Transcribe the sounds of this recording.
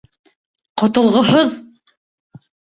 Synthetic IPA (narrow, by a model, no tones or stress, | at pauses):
qŏt̪ŏlˠʁɤ̆ɦɤð